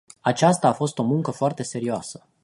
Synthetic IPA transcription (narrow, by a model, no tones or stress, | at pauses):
at͡ʃast̪aːfo̞st̪o̞muŋkəfoart̪e̞se̞ɾioasə̥